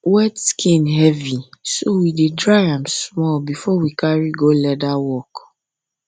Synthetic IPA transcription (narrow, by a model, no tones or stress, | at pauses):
wɛtskʰĩnɦɛvisowidedɹaɪãmsmɔlbifɔwikaɹiɡolɛdawɔk